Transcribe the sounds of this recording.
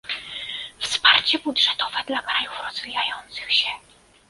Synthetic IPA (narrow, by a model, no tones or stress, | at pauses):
fspaɾt͡ɕɛbudʐɛt̪ɔvɛd̪lakɾajufɾɔz̥vʲijajɔnt̪sɘ̥xɕɛ